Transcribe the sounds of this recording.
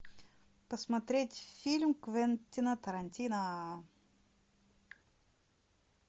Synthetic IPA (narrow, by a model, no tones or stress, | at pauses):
pəsmɐt̪ɾʲetʲfʲilʲmkvɛnʲt̪ʲinət̪əɾɐnʲtʲinə